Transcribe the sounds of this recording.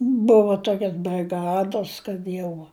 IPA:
ˈbʊʋʊ ˈtoːkʲɛs bʲrʲɪˈɡɑːdoːs kɐt ˈjɛʊ

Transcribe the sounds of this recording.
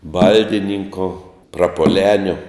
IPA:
ˈbɐlʲdʲɪnʲɪŋkoː prɐpuɔˈlʲæːnʲoː

